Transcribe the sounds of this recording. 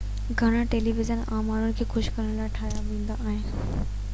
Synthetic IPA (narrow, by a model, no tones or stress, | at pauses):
ɡʱɐɽ̃aʈeːliʋɪzənaːmaːɾʊɽɪ̆kʰeːxʊʃkɐɾəɽ̃laːɪʈʰaːjaʋẽːn̆d̪aʔːɦɪ̃n